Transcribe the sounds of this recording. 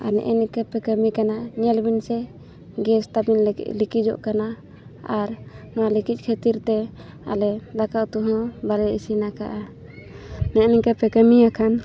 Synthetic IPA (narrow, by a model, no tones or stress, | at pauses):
a̰nɛ̰ʔɛnikəpɛkəmikanaɲɛlbinsɛ | ɡɛst̪abin̰likid͡ʒɔ̰ʔkana | aɾnɔwalikic̚kʰət̪iɾt̪ɛ | a̰lɛd̪akaʔt̪uɦɔ̃balɛisinakaʔa | nɛʔnɛkəpɛkəmiakʰan